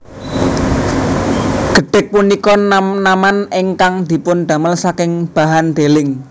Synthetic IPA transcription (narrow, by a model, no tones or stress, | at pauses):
ɡ̥ə̤ɖ̥ɛ̤k̚punikɔnnamaneŋkaŋd̪̥i̤pʊnɖ̪̥ä̤məlsakɪŋb̥a̤ɦand̪̥elɪŋ